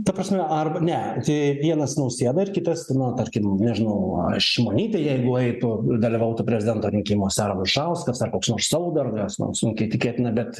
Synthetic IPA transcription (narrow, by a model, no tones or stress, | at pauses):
t̪ɐprɐsʲmʲɛɐrbɐnʲɛt̪ɪɪʋʲiɛnɐsnɐʊsʲeːɛd̪ɐɪrkʲɪt̪ɐsnɐt̪ɐrʲkʲɪmnʲɛʒʲɪnɐʊɐ̰ʃʲɪmoːnʲiːt̪ʲɐjɛɪɡʊɛɪt̪ʊd̪ɐlʲiʋɐʊt̪ʊpʲɾʲɛzʲɪd̪ʲɛnt̪oːɾʲɪŋʲkʲiːmoːsʲæːɾɐnʊʃɐʊskɐsɐrkoːksnoːrssɐːʋoːd̪ɐrɡɐsno̰sʲɪŋʲkʲɛɪt̪ʲɪkʲeːt̪ʲɪnɐbʲɛt̪